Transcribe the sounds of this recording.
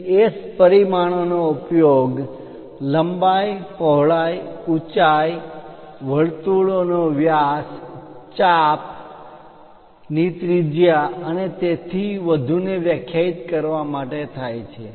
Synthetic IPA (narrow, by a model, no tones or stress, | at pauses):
espəɾimaɽ̃onoupjoɡ | ləmbajpɔɦɭajut͡ʃaj | ʋəɭt̪uɭonoʋjast͡ʃap̚ | nit̪ɾid͡ʒjaənet̪et̪ʰiʋəd̪ʱuneʋjəkʰjait̪kəɾʋamaʈet̪ʰajt͡ʃʰe